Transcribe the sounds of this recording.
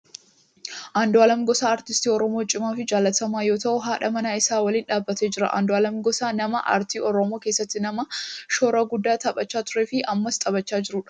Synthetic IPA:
ʔaːnd̪ɔaːlɐmɡɔsaːɾt̪ɪst̪iːɔɾɔmoːt͡ʃʼɪmaːfɪd͡ʒaːlːɐt̪ɐmaːjo̞ːt̪ɐʔʊɦaːᶑɐmɐnaːɪsaːwɐliːnᶑaːbːɐt̪eːd͡ʒɪɾɐʔa̰ːnd̪ɔaːlɐmɡɔsaːnɐmɐʔa̰ɾt̪iːʔɔɾɔmo̞ːke̞ːsːɐt̪ːɪnɐmɐʃoːɾɐɡʊd̪ːaːt̪ʰɐbʼɐt͡ʃːaːt̪ʊɾe̞ːfɪʔɐmːɐst̪ʼɐbɐt͡ʃːaːd͡ʒɪɾʊᶑɐ̥

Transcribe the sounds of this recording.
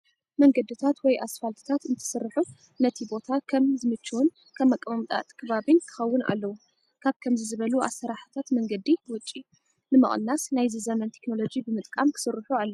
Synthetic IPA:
mɐŋɡɐd̪ɨt̪ʰat̪wɔjʔasfalt̪ʰɨ̥t̪ʰat̪ɨnt̪ʰɨ̥sɨrːɨħu | nɐt̪ʰibo̞t̪ʰakʰɐmzɨmɨt͡ʃːuwun | kʰamːakʼːɐmɐmt̪ʼa̰t̪ʼkʰɨβaβinkʰɨ̥xɐwːʊnʔa̰lːɐwu | kʰaβkʰɐmzizɨβɐluʔa̰sːɐɾaħɨ̥t̪ʰat̪mɐŋɡɐd̪iwʊt͡ʃʼːi | nɨmɨ̰χʼnːasnajzɨzɐmɐnt̪ʰekno̞lo̞d͡ʒibɨmɨt̪ʼkʼamkʰɨ̥sɨrːɨħualːɐu

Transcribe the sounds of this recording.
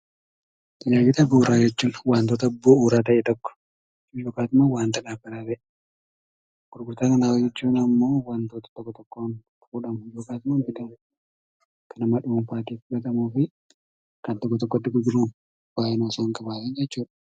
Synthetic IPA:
t̪ɪnaːɡɪt̪ɐbuːɾaːd͡ʒɛt͡ʃːuːnwaːnt̪oːt̪ɐːbːoːuːɾaːt̪ɐʔɛt̪ɔkːɔ̥ | d͡ʒuːjoːkaːt̪ʊmawaːnt̪ɐᶑaːbɐɾaːɾɐʔɛ | ɡ̥ʊɾɡʊɾt̪aːkɐnaːwd͡ʒɛt͡ʃːuːnɐmːo̞ːwant̪oːt̪ɐ̥t̪ɔkːɔt̪ɔkːoːn | fuːᶑɐmʊd͡ʒoːkaːt̪ʊmanbɪd̪ɐm | kʰɐnɐmɐᶑuːnfaːt̪iːfʊɡɐt̪ɐmuːfɪ | kɐnt̪ɔkːɔt̪ɔkːɔt̪ːɪɡʊɡɪɾuːn | b̥aːʔɛnoːsaːŋkɐbaːt̪ɛnd͡ʒɛt͡ʃːuːᶑɐ̥

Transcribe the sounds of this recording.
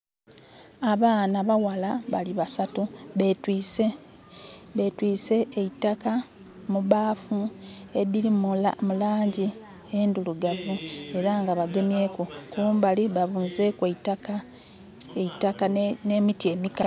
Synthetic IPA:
aβaːnaβawalaβaliβasatuβetwise | βetwiːse̞ːitːaka | muβaːfu | e̞diɾimulamulaːɲɟi | enduluɡavue̞ɾaŋɡaβaɡe̞mje̞ːkokuuːmbaliβaβuːnze̞kweitaka | eitakanemitie̞mika

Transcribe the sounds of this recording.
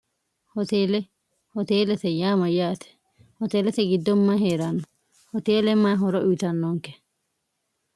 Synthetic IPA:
hɔt̪eːlɛ | hɔt̪eːlɛt̪ɛjaːmɐjaːt̪ɛ̥ | hɔt̪eːlɛt̪ɛɡid̪ːɔmːaɦeːɾanːɔ | hɔt̪eːlɛmːaːɦɔɾɔʔut̪ɐnːɔŋkɛ̥

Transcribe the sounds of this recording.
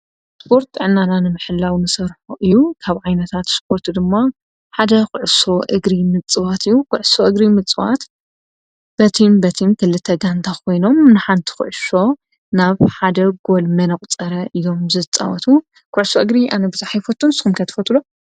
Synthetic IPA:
spʰo̞ɾt̪ɨʕɨnːananɨmɨħɨlːawnɨsɐɾħuʔɨjːukʰaβʕajnɐt̪ʰat̪spʰo̞ɾt̪d̪ɨmːa | ħad̪ɐxɨʕɨso̞ʔɨɡɾimɨt͡sʼɨwat̪ɨjːukʊʕʊsoʔɨɡɾimɨt͡sʼɨwa̰t̪ | b̥ɐt̪ʰimbɐt̪ʰint̪ʰɨlɨt̪ʰːɐɡant̪ʰakʰo̞jno̞mnɨħant̪ʰi̥xɨ̰ʕʊso̞ | naβħad̪ɐɡo̞lmɐnɐkʼt͡sʼɐɾɐʔɨjo̞mzɨt͡sʼa̰wɐ̰t̪ʰu | kʰʊʕsoʔɨɡɾiʔa̰nɐbɨzaħajfot̪ːunsɨ̥xumkʰɐt̪ʰɨ̥fɐt̪lo

